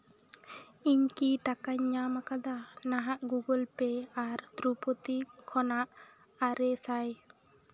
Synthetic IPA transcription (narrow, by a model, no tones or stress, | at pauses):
iɲkiʈakaɲːamakad̪anaɦaʔɡuɡɔlpeaɾt̪ɾupot̪ikʰɔnaʔ | aɾɛsaj